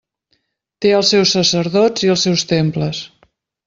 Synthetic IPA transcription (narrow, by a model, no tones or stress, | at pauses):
t̪eəlˠsːɛwsːəsəɾðɔd͡ziəlˠsɛwst̪empləs